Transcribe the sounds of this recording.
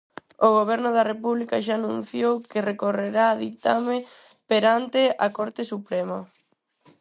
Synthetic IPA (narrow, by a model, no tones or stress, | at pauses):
oɣ̞oβ̞ɛɾnʊðɐrepuβlikɐʃaːnũn̟θjowkɪrekoreɾaːðit̪ame | peɾant̪ɪɐkoɾt̪ɪsupɾɛmɐ